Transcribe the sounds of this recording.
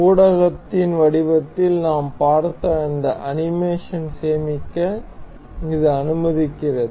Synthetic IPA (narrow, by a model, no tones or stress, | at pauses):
uːɽɐɣɐt̪ːɪnʋɐɽɪʋɐt̪ːɪlnaːmpaːɾt̪ːɐɐnd̪ɐʔɐnɪmeːʂɐnseːmɪkːɐ | ɪðɯɐnɯmɐðɪkːɪrɐðɯ